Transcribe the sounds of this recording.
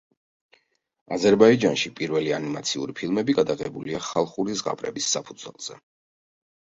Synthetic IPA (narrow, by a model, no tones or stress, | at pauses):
a̰zɛɾbaid͡ʒanʃipʼiɾvɛlianimat̪sʰiṵɾipʰilˠmɛbiɡad̪aʁɛbuliaχalˠχuɾizʁa̰pʼɾɛ̰bisːapʰud̪zwɛ̰lˠz̥ɛ̰